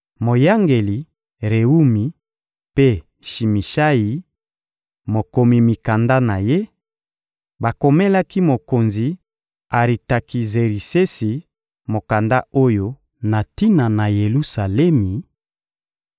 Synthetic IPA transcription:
mo˨ja˦ŋɡe˨li˨ | ʁe˨u˦mi˨ | pe˦ | ʃi˨mi˨ʃa˦ji˨ | mo˨ko˨mi˨mi˨ka˨nda˦na˨je˦ | ba˨ko˨me˦la˦ki˦mo˨ko˨nzi˨ | a˨ʁi˨ta˨ki˨ze˨ɾi˨se˦si˨ | mo˨ka˨nda˦o˦jo˦ | na˨ti˦na˨na˨je˨lu˦sa˨lɛ˦mi˨

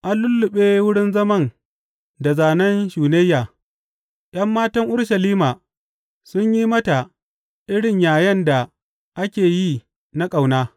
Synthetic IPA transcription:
ʔa˦nlːʊ˦lːʊ˨ɓeː˦wʊ˦ɽɪ˦nzɐ˦mɐ˦n | da˨zaː˨nɐ˦nʃuː˨ne˦jːaː˨ | j̰ʔɐ˦mːaː˦tɐ˦ŋʔʊ˦ɽʃɐ˨liː˦maː˨ | sʊ˦ɲji˦mɐ˦ta˨ | ʔɪ˦ɽɪ˨ɲjaː˨jɐ˦nda˨ | ʔa˦kʲeː˨ji˦ | na˦kʼa˨wnaː˦

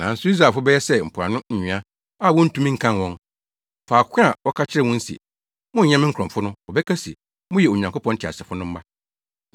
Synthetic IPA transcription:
nã˨n̩˦sʊ˦i˦s̬a˨fʊ˦bɛ˦jɛ˦sɛ˦m̩˨pʰɾa̰˨nʊ̃˦ɲ̩˨ɲɪ̃˨a˦ | a˦˨wɔ̃˦n̩˦tʰũ˦mĩ˦ŋ̩˦kʰã˦nwɔ̃˦n | faː˨kʷʰɛ̃˦a˨wɔ˦kʰa˦t͡ɕʰɪ˦ɾɛ˦wʊ̃˦n̩˦sḭ˨ | mʊ̃˦˨ɲɛ̃˦mɪ̃˦kʰɾɔ̃˨fʊ˦nʊ̃˦wɔ˨bɛ˦kʰa˦sḭ˨ | mʊ̃˦jɛ˨o˨ɲã˨ŋko˦pʰɔ̃˦n̩˦tʰɪ˨a̰˨sɛ˨fʊ˦nʊ̃˦m̩˦ba˦

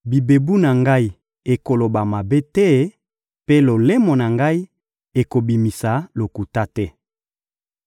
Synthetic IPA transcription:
bi˨be˨bu˦na˨ŋɡa˦i˦ | e˨ko˨lo˨ba˨ma˨be˦tɛ˦ | pe˦lo˨le˦mo˨na˨ŋɡa˦i˦ | e˨ko˨bi˨mi˨sa˨˦lo˨ku˨ta˦tɛ˦

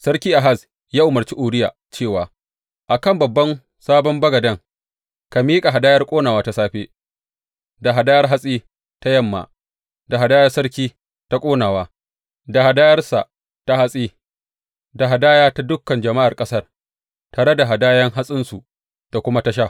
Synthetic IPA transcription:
sɐ˦rkʲiː˦ʔa˨ɦa˦˨s | jaː˦ʔʊ˨mɐ˨rt͡ʃi˦ʔʊː˨ɽɪ˦jaː˨ | t͡ʃeː˦˨waː˨ | ʔa˨kɐ˦˨mbɐ˨bːɐ˦n | saː˦bɔ˦mbɐ˦ɡɐ˨dɐ˦ŋ | ka˨miː˦kʼa˨ɦa˨daː˦jɐ˦rkʷʼoː˦naː˨waː˦ta˦saː˦ɸeː˦ | da˨ɦa˨daː˦jɐ˦rɦa˦sʼiː˦ | ta˦jɐ˦mːa̰˨ | da˨ɦa˨daː˦jɐ˦rsɐ˦ɾkʲiː˦ | ta˦kʷʼoː˦naː˨waː˦ | da˨ha˨daː˦jɐ˦rsa˨ | ta˦ha˦sʼiː˦ | da˨ɦa˨daː˦jaː˦ta˦dʊ˦kːɐ˨nd͡ʒɐ˨ma˦ʔa˨rkʼɐ˦sɐ˦˨r | taː˨ɽɐ˦da˨ɦa˨daː˦jɐ˦ŋɦa˦sʼɪ˦nsu˨ | d̥a˨kʷʊ˦ma˦ta˦ʃ̬a˦˨

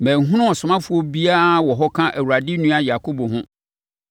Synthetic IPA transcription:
mɛ̃˨ŋ˨ɦʊ̃˦nʊ̃˦ɔ˨sʊ̃˨mã˦fʊ˨˦ɔ˦bi˦a˦wɔ˨ɦɔ˦kʰã˦ʔæ˨wu˨ɾa˨dɪ˦nũ˦a˨ja˨kʰo˦bo˨ɦʊ̃˦

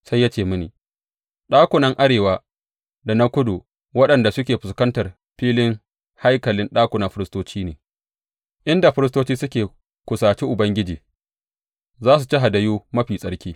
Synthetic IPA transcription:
sa˦jːa˦t͡ʃeː˦˨mʊ˦nḭː˨ | ɗaː˦kʷʊ˨nɐ˦ŋʔa˦ɽeː˨waː˦ | da˨na˦kʷʊ˦du˨ | wɐ˦ɗɐ˨nda˨sʊ˦kʲeː˨ɸʊ˨skɐ˦ntɐ˨r | ɸiː˦lɪ˦ŋ | ha˦jkɐ˨lɪ˦nɗaː˦kʷʊ˨na˨ɸɪ˦ɾɪ˦stoː˦t͡ʃiː˦neː˨ | ʔɪ˦nda˨ɸɪ˦ɾɪ˦stoː˦t͡ʃiː˦sʊ˦kʲeː˨ | kʷʊ˨saː˨t͡ʃiː˦ʔʊ˨bɐ˦ŋɡʲɪ˦d͡ʒiː˨ | zaː˦s̬u˨t͡ʃi˦ɦa˨dɐ˨juː˦mɐ˦ɸiː˨sʼɐ˦ɽkʲiː˦

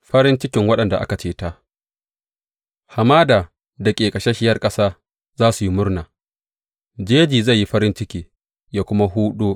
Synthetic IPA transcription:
ɸɐ˦ɾɪ˦nt͡ʃɪ˦kʲɪ˨ŋwɐ˦ɗɐ˨nda˨ʔa̰˦ka˨t͡ʃeː˦ta˦ʔ | ha˨maː˦daː˨ | da˨kʲʼeː˨kʼɐ˨ʃe˦ʃɪ˦jɐ˦rkʼɐ˦saː˦ | zaː˦su˨ji˦mʊ˦rnaː˨ | d͡ʒeː˦d͡ʒiː˨za˦˨jːi˦ɸɐ˦ɾɪ˦nt͡ʃɪ˦kʲiː˨ | jaː˦˨kʷʊ˦ma˦ɦuː˦ɗoː˦

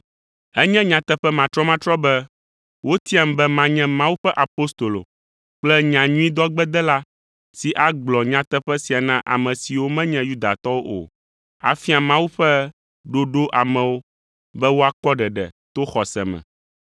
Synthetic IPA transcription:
ɛ˦ɲɛ̃˦ɲã˨t̪ɛ˦ɸɛ˦mã˨t̪ɾɔ˦mã˦t̪ɾɔ˦bɛ˦ | wo˦t̪i˦a˨m˨bɛ˦mã˦ɲɛ̃˦mã˦wu˦ɸɛ˦ʔa˨po˦st̪o˨lo̰˨ | k͡plɛ˦ɲã˨ɲũ˦i˦d̪ɔ˦ɡ͡bɛ˦d̪ɛ˦la˦ | si˨ʔa˦ɡ͡blɔ˨ɲã˨t̪ɛ˦ɸɛ˦si˨a˨nã˦ʔa̰˨mɛ̃˨si˨wo˦mɛ̃˦ɲɛ̃˦ju˦d̪a˨t̪ɔ˦wo˦ʔo̰˨ | a̰˨fi˦a˨mã˦wu˦ɸɛ˦ | ɖo˦ɖo˦ʔa˨mɛ̃˨wo˦ | bɛ˦wo˦a˦kɔ˦ɖɛ˨ɖɛ̰˨t̪o˦xɔ˨sɛ̰˨mɛ̰̃˨

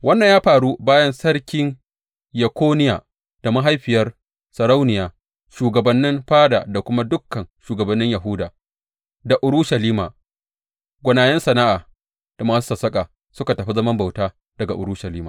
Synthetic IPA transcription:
wɐ˦nːɐ˨ɲjaː˦ɸaː˨ɽu˦baː˦jɐ˦nsɐ˦rkʲɪ˦ŋ | jɐ˨kʷoː˦nɪ˦jaː˨ | d̥a˨ma˦ɦa˦jɸɪ˨jɐ˦r | sɐ˨ɾa˦wnɪ˨jaː˨ | ʃuː˨ɡɐ˨bɐ˨nːɪ˦mɸaː˦da̰ː˨da˨kʷʊ˦ma˦dʊ˦kːɐ˨nʃuː˨ɡɐ˨bɐ˨nːɪ˦ɲja˨ɦʊ˦daː˨ | da˨ʔʊ˨ɾʊ˦ʃɐ˨liː˦maː˨ | ɡʷʊ˨naː˨jɐ˦nsɐ˨na˦ʔaː˨ | d̥a˨maː˨su˦sɐ˨sɐ˦kʼa˨ | sʊ˦ka˨tɐ˨ɸi˦zɐ˦mɐ˦mba˨wtaː˦ | d̥ɐ˨ɡa̰˨ʔʊ˨ɽʊ˦ʃɐ˨liː˦maː˨

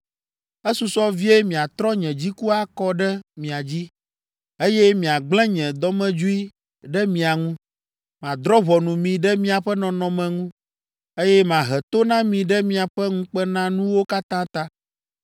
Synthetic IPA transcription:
ɛ˦su˨sɔ˦vi˦e˦mĩ˨a˨t̪ɾɔ˦ɲɛ̃˨d͡ʑi˦ku˦a˦kɔ˦ɖɛ˦mĩ˨a˨d͡ʑi˦ | e˦jɛ˦mĩ˨a˨ɡ͡blɛ̃˦ɲɛ̃˨d̪ɔ˦mɛ̃˦d͡ʒu˦i˦ | ɖɛ˦mĩ˨a˨ŋũ˦ | mã˨d̪ɾɔ˦βɔ˨nũ˨mĩ˨ɖɛ˦mĩ˦a˨ɸɛ˦nɔ̃˨nɔ̃˨mɛ̃˨ŋũ˦ | e˦jɛ˦mã˨ɦɛ˨t̪o˦nã˦mĩ˨ɖɛ˦mĩ˦a˨ɸɛ˦ŋũ˦k͡pɛ˦nã˦nũ˦wo˦ka˦t̪ã˦t̪a˦

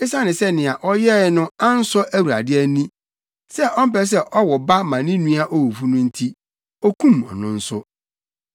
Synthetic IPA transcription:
ɪ˦sa˦nɪ̃˨sɛ˦nɪ̃˨a˨ʔɔ˦jɛ˦˨˦nʊ̃˦a˦n̩˦sɔ˦ʔæ˦wu˨ɾa̰˨dɪ˦ɛ˦nĩ˦ | sɛ˦ʔɔ˦m̩˦pɛ˦s̬ɛ˦ʔɔ˦wɔ˨ba˦mã˨nĩ˦nũ˦a˦ʔɔ˦wu˨fu˦nʊ̃˦n̩˦tʰi˦ | ɔ˦kʰũ˦mɔ̰˨nʊ̃˦n̩˦sʊ˦

